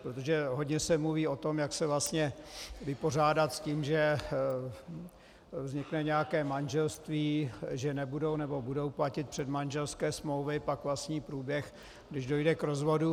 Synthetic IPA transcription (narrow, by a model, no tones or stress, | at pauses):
pɾot̪oʒɛɦodɲɛsɛmluviːo̞t̪o̞mjaksɛvlast̪ɲɛvɪpo̞r̝aːdat̪sciːmʒɛ | vzɲɪknɛɲɛjakɛːmanʒɛlst̪viːʒɛnɛbudo̞wnɛbo̞budo̞wplacɪt̪̚pr̝̥ɛd̪manʒɛlskɛːsmlowvɪpakvlastɲiːpɾuːbjɛx | ɡdɪʒdo̞jdɛkɾo̞zvo̞du